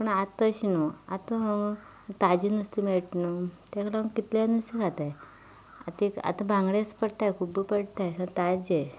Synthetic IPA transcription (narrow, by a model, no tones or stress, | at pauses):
pəɳat̪əɕinuat̪oɦəŋɡ | t̪ad͡ʑinust̪imeɭʈnut̪jakʰlaməŋkit̪lanust̪ikat̪aj | at̪ika̰t̪ãbãŋɡɽespəɽt̪ajkʰubipəɽt̪ajsat̪ad͡ʑe